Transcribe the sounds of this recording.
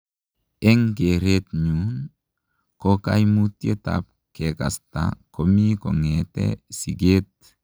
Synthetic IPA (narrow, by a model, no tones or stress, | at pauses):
eŋɡeɾet̪̚ɲun | kokajmut̪jet̪a̰p̚ | keka̰sta̰komikoŋetḛsiɡet̪̚